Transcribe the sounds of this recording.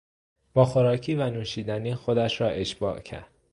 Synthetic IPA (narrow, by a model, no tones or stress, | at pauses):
b̥ɒːxoɾɒːcʰiːvænuːʃiːd̪æniːxo̞d̪æʃɾɒːʔe̞ʃb̥ɒ̰ːʔcʰæ̰ɾd̪̥̚